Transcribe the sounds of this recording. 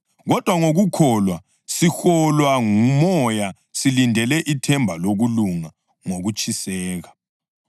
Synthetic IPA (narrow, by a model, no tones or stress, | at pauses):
ɣɔd̥ʱwaŋoɣukʰɔlwa | sixɔlwaŋumɔja | silindʱɛlɛʔitʰɛmbʱaloɣuluŋa | ŋoɣut͡ʃʼʰisɛːɣa